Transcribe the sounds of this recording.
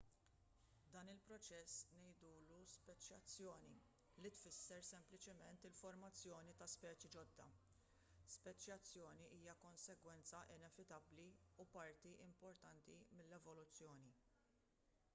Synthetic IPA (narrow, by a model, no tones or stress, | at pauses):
d̪ɐːnɪlpɾɔt͡ʃɛsnɛjd̪uːluspɛt͡ʃːjɐt͡sːjɔːni | lit̪fɪsːɛɾsɛmplɪt͡ʃɪmɛnt̪ɪlfɔɾmɐt͡sːjɔːnit̪ɐspɛːt͡ʃid͡ʒɔd̪ːɐ̰ | spɛt͡ʃːjɐt͡sːjɔːniʔiːjɐkɔnsɛɡwɛnt͡sɐʔɪnɛvɪt̪ɐbliupɐɾt̪iʔɪmpɔɾt̪ɐnt̪imɪlːɛvɔlʊt͡sːjɔːni